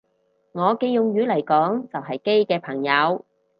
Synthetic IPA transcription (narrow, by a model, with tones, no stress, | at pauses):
ŋɔː˨˧ke˧jʊ˨ŋjyː˨˧˥lɐ˨˩jkɔː˨˥ŋt͡sɐ˨wɦɐ˨jke˥jkɛː˧pʰɐ˨˩ŋjɐ˨˧w